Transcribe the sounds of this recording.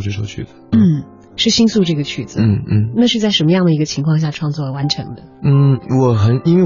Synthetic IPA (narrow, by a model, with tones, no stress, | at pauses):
ʈ͡ʂɤ˥˧˩ʂo̰˥˩ʊt͡ɕʰy̰˥˩d͡z̩˨˦n̩˥˩ | ʂɻ̩˥˩ɕi˥nsu˥˧ʈ͡ʂɤ˥˩ɡə˩t͡ɕʰy˥˩d͡zɹ̩˩n̩˥˩n̩˥na˥˧ʂɻ̩˥˧t͡sa˥ɪʂə˧˥nmə˧jɑ˥˩ŋd̪ə˩i˧˥ɡə˧t͡ɕʰi˧˥ŋkʰwɑ˥˧ŋɕja˥˩ʈ͡ʂʰwɑ˥˧ŋt͡swɔ˥˩wa˧˥nʈ͡ʂʰɤ̰˧˥ŋd̪ə˧n̩˥˩wɔ˨˩xə˨˧˥ni˥nwe˥˩